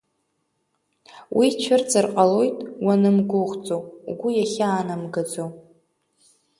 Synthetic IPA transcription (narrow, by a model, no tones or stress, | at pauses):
wʔit͡ʃʷʰɪrd͡zɨrqʼalojtʼwanɨmɡʊʁt͡sʼow̰ɡʷujaχʲaːnamɡad͡zow